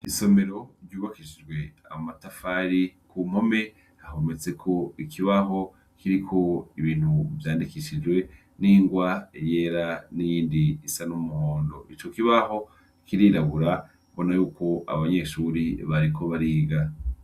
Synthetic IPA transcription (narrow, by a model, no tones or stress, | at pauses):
iso̞me̞ɾo̞ɾɟuːβakiid͡ʒɡwe̞a̰matafaɾikʰum̥o̞me̞ | hahomet͡se̞kʰo̞ikʰiβaɦo̞ | kiɾikʰo̞iβiːn̥huvjaːndikiʃid͡ʒɡwe̞ | niːŋɡwaeje̞ːɾanijiːndiːsanumuhoːndo̞ʔit͡ʃo̞kiβaho̞ | kiɾiɾaβuɾa | βo̞najuːko̞ʔa̰βaɲe̞ʃuɾiβaɾikʰo̞βaɾiːɡa